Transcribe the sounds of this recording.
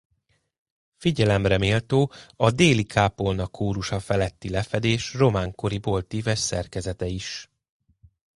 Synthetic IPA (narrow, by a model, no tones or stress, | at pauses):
fiɟɛlɛmrɛmeːlt̪oːɒd̪eːlikʰaːpo̞lnɒkʰːoːɾuʃɒfɛlɛt̪ːilɛfɛd̪eːʃro̞maːŋko̞ɾibo̞lt̪iːvɛʃsɛ̰rkɛzɛt̪ɛiʃ